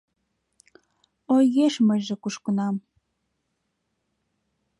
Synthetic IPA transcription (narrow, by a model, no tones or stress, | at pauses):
ojɣeʃmə̆ʒĕkuʃkə̆nɑm